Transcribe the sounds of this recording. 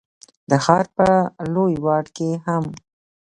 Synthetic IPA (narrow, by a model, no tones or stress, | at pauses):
d̪əxɑɾpəlojwɑɖkeham